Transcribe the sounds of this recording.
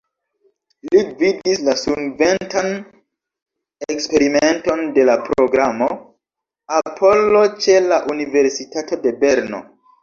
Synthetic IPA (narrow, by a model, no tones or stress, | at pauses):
liɡviddislasumve̞ntan | ekspe̞ɾime̞nto̞nde̞lapɾo̞ɡɾamo̞ | apʰo̞lo̞t͡ʃe̞laʔunive̞ɾsitatode̞be̞ɾno̞̰